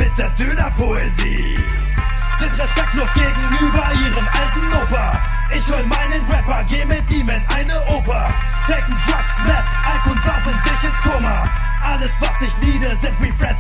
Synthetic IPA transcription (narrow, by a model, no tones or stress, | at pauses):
mɪt̚d̥eːɐdønɐpʰoezḭː | z̥ɪntʁɛspɛk̚tlosɡ̥eːɡŋ̩ʔyːbɐʔiːʁəmʔaltn̩ʔoːpɐ | ʔɪçhɔlmaɪnənʁɛpɐɡeːmɪd̥iːmɛnʔaɪnəʔoːpɐ | tʁɛk̚ŋ̩d̥ʁaksvɛkʔapʊntz̥afənzɪçɪnskʰʊmɐ | ʔaləsvasɪçniːdɐzɪntʁifʁɛ